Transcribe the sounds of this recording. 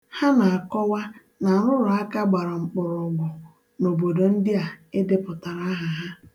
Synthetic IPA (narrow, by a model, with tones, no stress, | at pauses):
ha˦na˨a˨kɔ˦wa˦ | na˨ɾʊ˦ɾʊ˨a˦ka˦ɡ͡ba˨ɾa˨ŋ͡m̩˨k͡pʊ˨ɾʊ˨ɡʷʊ˨ | no˨bo˨do˨n̩˦dɪ˦a˨ɪ˦dɪ˦pʊ˨ta˨ɾa˦ɦa˨ɦa˦